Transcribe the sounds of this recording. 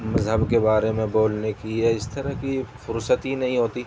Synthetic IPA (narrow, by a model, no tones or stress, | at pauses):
mɐzɦəbkebaːɾemẽboːlnekiɛɪst̪ɐɾɐɦkifʊɾsət̪ɦinɐɦĩɦoːt̪iː